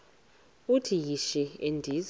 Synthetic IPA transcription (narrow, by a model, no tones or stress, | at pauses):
utʰijiʃɛḛndʱiz